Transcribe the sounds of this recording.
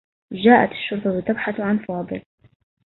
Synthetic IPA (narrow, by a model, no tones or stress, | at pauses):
ʒaːʔat̪ɪ̥ʃːʊɾt̪ˤɑwɪt̪abħaθʕanfɑːd̪ˤɨ̰l